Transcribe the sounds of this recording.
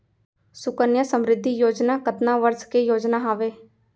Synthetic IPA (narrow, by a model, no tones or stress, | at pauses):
sʊkənjəsəmɾɪd̪ʱːijoːd͡ʒnaːkət̪naːʋəɾskejoːd͡ʒnaːɦaːʋeː